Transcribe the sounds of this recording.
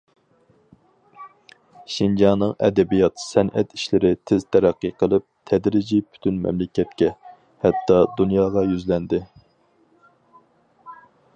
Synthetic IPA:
ʃind͡ʒɑnːɨŋɛ̰d̪ɛbijɑt̪sɛnɛ̰t̪i̥ʃlɪɾɪt̪ʰɪz̥t̪ʰæɾæqːɨqʰəlˠɨp̚t̪ʰɛd̪ɾɪd͡ʒipʰy̥t̪ʰynmɛ̰mlɪkʲɛt̪̚kʲɛ | hɛt̪ːɑd̪unjɑːʁɑjyzlɛnd̪ɪ

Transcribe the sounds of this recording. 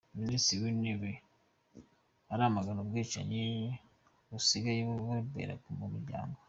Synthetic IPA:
minisiwineβe | aɾamaɡanobɡiːt͡ʃa̰ɲej | βusiɡajeββaibḛɾa̰kumumiɾɟa̰ːŋɡo

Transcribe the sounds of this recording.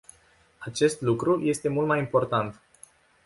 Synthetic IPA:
at͡ʃe̞st̪lukɾuje̞st̪e̞mult̪̚majimpo̞rt̪ant̪

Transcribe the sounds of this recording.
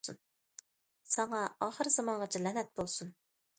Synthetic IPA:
un | sɑŋɑɑχəɾzɑmɑnʁɑt͡ʃʰilɛnɛt̪̚bolˠsun

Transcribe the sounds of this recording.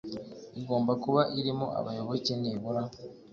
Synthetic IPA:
iɡo̞ːmbakuβaʔiɾimo̰ʔa̰βajo̞βo̞ceneβuɾa

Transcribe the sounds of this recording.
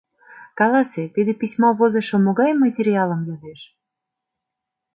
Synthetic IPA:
kɑlɑset̪id̪ĕpisʲmoβozɤ̆ʃŏmoɣɑjmɑt̬ʲeɾʲiɑlə̆mjod̪eʃ

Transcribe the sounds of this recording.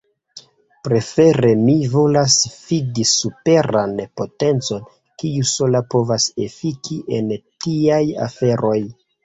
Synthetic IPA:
pɾe̞fe̞ɾe̞mivo̞lasfidisupe̞ɾanpo̞te̞nt͡so̞n | kiuso̞lapo̞vase̞fikʰiʔe̞ntiaja̰fe̞ɾʔo̞j

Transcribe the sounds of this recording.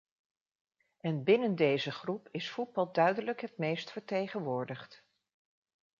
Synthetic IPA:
ʔɛnbɪnəndejzəχrupɪsfud̚bɑlˠdœɥdələkɦətmejstfəɹtejχənʋʊːɹdəχt

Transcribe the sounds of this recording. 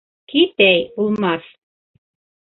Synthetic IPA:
kit̪æjulˠmɑs

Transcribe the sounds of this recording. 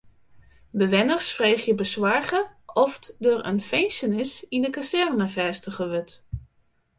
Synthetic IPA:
bəʋɪnərsfreːχjəbəswaɹɣəɔfdərə̰nfejnsənɪsindəkasɛrnəfɛːstəχəʋʏt

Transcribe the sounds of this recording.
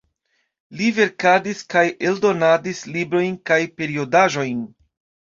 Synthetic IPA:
live̞ɾkadiskajʔe̞ldo̞nadislibɾo̞jnkajpe̞ɾio̞daʒo̞jn

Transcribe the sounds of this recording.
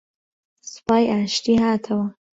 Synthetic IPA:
sɨ̥paːjʔaːʃt̪iːhaːt̪ʰɐwɐ

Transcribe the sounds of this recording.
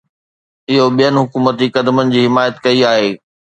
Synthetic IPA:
ɪɦoɓijənɪ̆ɦʊkuːmət̪ikɐd̪mənɪ̆d͡ʑiːɦɪmaːjət̪kɐiaːɦeː

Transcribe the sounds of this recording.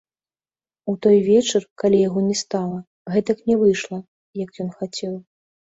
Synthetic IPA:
ut̪ɔjvʲɛt͡ʂɨrkalʲijaɣɔnʲɛst̪alˠɐ | ɣɛt̪ɐknʲɛvɨjʂlˠɐ | jɐkjɔnxat͡sʲɛw

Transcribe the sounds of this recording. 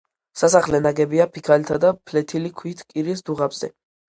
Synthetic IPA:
sasaχlɛnaɡɛbiapʰikʰalt̪ʰad̪apʰlɛt̪ʰilikʰwit̪ʰkʼiɾisd̪uʁabz̥ɛ̰

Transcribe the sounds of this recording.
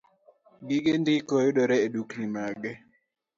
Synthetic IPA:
ɡɪɡendɪkojʊɗɔɾɛeduknimaɡɛ

